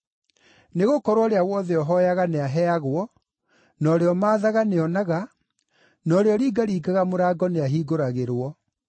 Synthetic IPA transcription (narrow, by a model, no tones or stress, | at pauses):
neɣokɔɾwɔɾeawɔðɛɔɦɔjaɣaneaɦɛaɣwɔ | nɔɾeɔmaːðaɣaneɔnaɣa | nɔɾeɔɾiːɡaɾiːɡaɣamoɾaːɡɔneaɦiːɡoɾaɣeɾwɔ